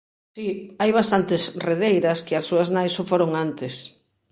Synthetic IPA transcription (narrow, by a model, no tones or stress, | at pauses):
siajβast̪ant̪ɪsreðejɾɐskɪɐsːuɐznajsofoɾoŋant̪ɪs